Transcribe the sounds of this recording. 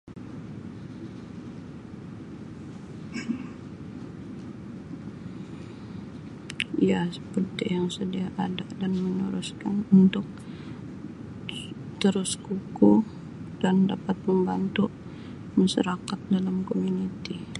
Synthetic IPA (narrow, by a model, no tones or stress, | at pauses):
ijasə̥pərt̪ɪjaŋsədiaʔadadanməɲuɾʊskanunt̪ʊk̚ | t̪əɾʊskuku | dandapat̪̚məmbant̪uʔ | maʃaɾakat̪̚dalamkomunit̪i